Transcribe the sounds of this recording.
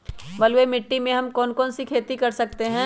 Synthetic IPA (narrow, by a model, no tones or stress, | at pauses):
ʋɐlwemɪʈːimẽɦɐmkɔːnkɔːnsikʰeːt̪ikɐɾsɐk̚t̪eɦɛ̃ː